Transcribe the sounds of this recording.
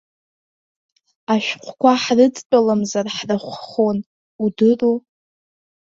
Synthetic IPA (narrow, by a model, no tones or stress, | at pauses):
aʃᶣqʷʰkʷaħrɨt͡sʼpʼalamzarħraχʷχon | udɨru